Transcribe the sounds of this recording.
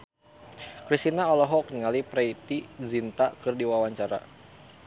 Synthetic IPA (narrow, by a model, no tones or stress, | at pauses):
kɾist̪inaɔlɔɦɔkniŋalipɾɛit̪izint̪akɨrdiwawaɲt͡ʃaɾa̰